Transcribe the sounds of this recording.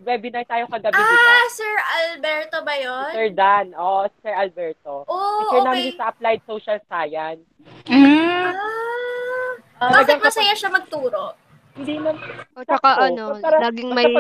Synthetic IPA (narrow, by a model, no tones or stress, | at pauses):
bɛbɪnajt̪aːjokɐɡɐbiasɛɹɐlbɛɹt̪obɐjonsɛɹd̪anʔosɛɹʔɐlbɛɹt̪oʔoɛnaɪsɐʔɐplajd̪̚soːʃɐlsaːjɐn | a | ɐbalɐɡɐŋmɐsɐjaʃɐmɐɡ̚t̪uːɾoʔ | hɪnd̪imɐmt͡ʃkɐʔɐnoɐaɾalaːɡɪŋmɐɐ